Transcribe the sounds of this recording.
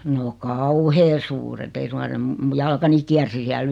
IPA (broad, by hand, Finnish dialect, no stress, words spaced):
no kɑuheː suːret ei suŋkɑn̞ se m mu jɑlkɑni kiærsi siæl